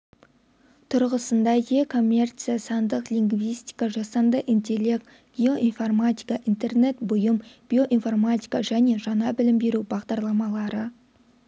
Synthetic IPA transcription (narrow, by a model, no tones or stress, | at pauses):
t̪ʰʊɾʁəsənd̪ɑjekʰo̞mʲːe̞rt̪sijasɑnd̪əqliŋɡvijsʲt̪ʲi̥jkɑʒɑsɑnd̪əʔint̪e̞le̞k̪̚ | ɡ̥ʲio̞ʔinformat̪ʲikaʔint̪e̞rne̞t̪bʊjəmb̥ʲio̞ʔinfo̞rmat̪ʲi̥jkaʒæne̞ʒɑnɑbɪlɪmbe̞ɾubɑʁd̪ɑɾlˠɑmɑlˠɑɾə